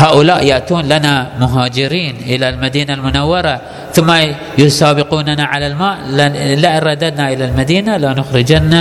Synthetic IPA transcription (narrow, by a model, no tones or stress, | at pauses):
haːʔʊlaːʔjaʔt̪uːnlanamʊɦaːd͡ʒɪɾiːnʔɪlalmad̪iːnalmʊnawːɑɾˤɑ | θʊmːa | jʊsaːbɪquːnanaʕalalmaːʔlaʔɪnɾˤɑd̪ːad̪naʔɪlalmad̪iːnalanʊxɾɪd͡ʒanːa